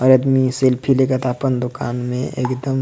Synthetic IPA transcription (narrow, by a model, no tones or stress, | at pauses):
ɔɾɐd̪miselpʰilekət̪aːpənd̪ʊkaːnmḛ̃ʔḛːkd̪əm